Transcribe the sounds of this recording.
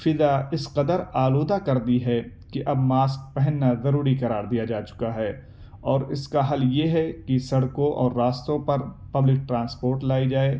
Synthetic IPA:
fɪd̪aɪsqɐd̪əɾaːloːd̪akɐɾd̪iɦɛ | kiʔɐbmaːsk̚pɛɦɛnːazɐɾuːɾikɐɾaːɾd̪ijad͡ʒaːt͡ʃʊ̥kaɦɛː | ɔːɾɪskaɦɐljeɦɛkisɐɽkõʔɔ̰ːɾːaːst̪õpɐɾ | pɐblɪk̚ʈɾãːnspoːɾʈlaːid͡ʒaːeː

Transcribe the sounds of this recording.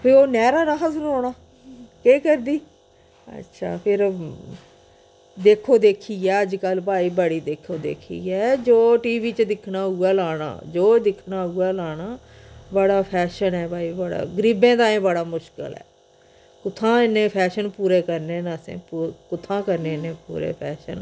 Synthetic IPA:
pʰɪɾoːnɛːɾaːɾaːɦəsənoːɽ̃aː | keːkəɾd̪iː | ə̰tːʃʰa̰ːpʰɪɾ | d̪eːkʰoːd̪eːkʰiːɛːəd͡ʒkəlpaːiːbəɽiːd̪eːkʰoːd̪ḛːkʰḭːɛːd͡ʒoːʈiːʋiːt͡ʃd̪ɪkʰnaːɦuːaːlaːɽ̃a̰ːd͡ʒoːd̪ɪkʰnaːʊːaːlaːɽaː | bəɽaːpʰɛːʃənɛːbaːiːbəɽa̰ːɡəɾiːbẽːd̪aːẽːbəɽaːmʊʃkə̰lɛ̰ː | kʊt̪ʰːãːɪnːẽːpʰɛːʃənpuːɾeːkəɾnẽːnaːsḛ̃ːpːkʊt̪ʰːãːkəɾneːnẽːpṵːɾḛːpʰɛ̰ːʃə̰n

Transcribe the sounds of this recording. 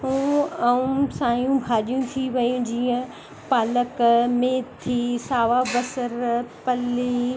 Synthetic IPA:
ɦũːɐũsaːjũbʱaːɗijũt̪ʰiʋɐjũd͡ʑiːə̃ | paːləkmeːt̪ʰːiːsaːʋabɐsəɾpɐliː

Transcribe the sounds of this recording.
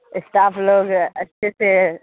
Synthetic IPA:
ɪsʈaːfloːɡɐtːʃʰese

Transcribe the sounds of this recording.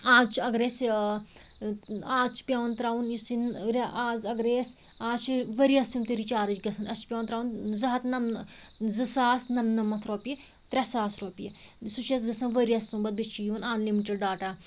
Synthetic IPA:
aːzt͡ʃʰɐɡɾeːs | aːt͡ʃʰpʲjɐːnt̪ɾaːʋunjisinɾaːzɐɡɾeːs | aːt͡ʃʰiʋɐɾiɐsumt̪iɾit͡ʃaːɾɨt͡ʃɡɐsɐnɐt͡ʃʰpʲoːnt̪ɾaːunzɐɦɐt̪nɐmzɨsaːsnɐmnɐmɐt̪ʰɾoːpi | t̪ɾʲɐsaːsɾoːpijisut͡ʃɐs̬ɡɐsɐnʋɐɾiɐsːumbɐt̪̚bit͡ʃʰːijuʋɐnaːnlimiʈeɖɖaːʈaː

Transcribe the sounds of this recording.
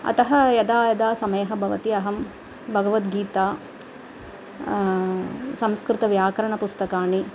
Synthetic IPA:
ɐ̰t̪ɐɦɐjɐd̪aːjɐd̪aːsɐmɐjɐɦɐ̆bʱɐʋɐt̪iɐɦɐm | bʱɐɡɐʋɐt̪ɡiːt̪aː | sɐmskɾɪt̪ɐʋjaːkɐɾɐɳɐpust̪ɐkaːni

